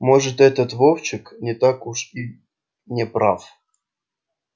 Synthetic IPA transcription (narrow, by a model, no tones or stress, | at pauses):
moʐɨt̪ɛt̪ət̪vowt͡ɕɪknʲɪt̪akuʂi | nʲɪpɾaf